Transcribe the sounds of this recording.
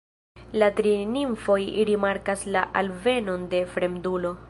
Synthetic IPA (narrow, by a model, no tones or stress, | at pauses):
latɾiniɱfo̞jɾimaɾkaslaʔalve̞no̞nde̞fɾe̞mdulo̞